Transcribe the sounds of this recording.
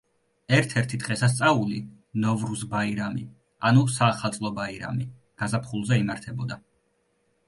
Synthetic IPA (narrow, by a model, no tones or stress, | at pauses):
ɛɾt̪ʰɛɾt̪ʰid̪ʁɛsas̬t̪sʼauli | nɔvɾusbaiɾami | anusaːχat̪sʼlˠɔbaiɾa̰mi | ɡ̥azapʰχulˠzɛimaɾt̪ʰɛbɔd̪a